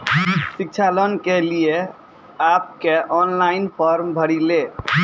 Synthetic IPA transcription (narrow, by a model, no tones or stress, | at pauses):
sik̚t͡ʃʰalənkelije | ap̚keʔɔnlainpʰɔɾmbʱəɽile